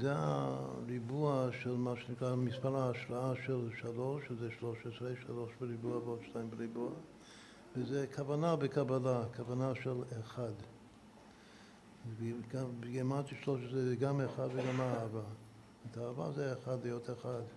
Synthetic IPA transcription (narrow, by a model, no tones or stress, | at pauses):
zea̰ɾibuaʃelmaʃenikɾamispaɾaːʃɾaaʃɛlʃaloʃzɛʃloʃesɾeʃaloʃbəɾibuabodʃtajimbəɾibua | vezɛkʰavanabəkʰabalakʰavanaʃeleχad | ɡabɡemant̪iʃloʃɛzɡameχadveɡamaːva | etaːva̰zɛeχadlejoteχad̪